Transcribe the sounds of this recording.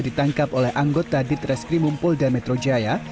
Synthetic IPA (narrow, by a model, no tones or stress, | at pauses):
dit̪aŋkap̚olɛhʔaŋɡot̪adɪt̪rɛskɾimumpʊldamɛt̪ɾod͡ʒaja